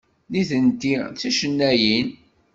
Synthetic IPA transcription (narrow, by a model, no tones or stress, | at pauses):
niθənt̪it͡sːæʃənːæjin